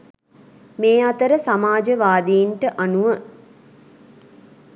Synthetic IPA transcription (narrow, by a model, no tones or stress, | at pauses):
meːat̪əɾəsamaːd͡ʒəʋaːd̪eiɳʈəʔanuʋə